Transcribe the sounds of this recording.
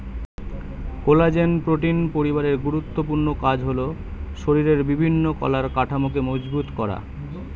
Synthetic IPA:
kolad͡ʑenpɾoʈinpoɾibaɾeɾɡuɾut̪ːopuɾnokad͡ʑɦolo | ʃoɾiɾeɾbibʱinːokɔ̰laɾkaʈʰamokemod͡ʑbut̪kɔɾa̰

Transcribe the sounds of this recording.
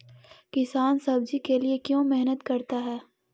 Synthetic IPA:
kɪsaːnsɐb̚d͡ʒikeliekjõːmɪɦnət̪kɐɾt̪aɦɛː

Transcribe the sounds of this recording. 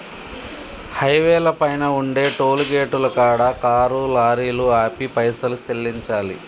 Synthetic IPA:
hɐjʋɛːlɐpɐjnɐuɳɖe̞ːʈoːluɡeːʈulɐkaːɽaːkaːɾulaːɾiːluaːpipɐjsɐluselːiɲt͡ʃaːlḭ

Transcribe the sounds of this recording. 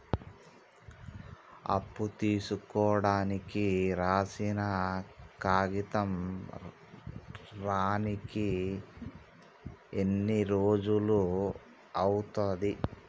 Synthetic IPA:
ɐ̰pːut̪iːsukɔːɽaːnikiɾaːsinɐkaːɡit̪ɐm | ɾaːniki | enːiɾoːd͡ʒulu | ɐwut̪ɐd̪i

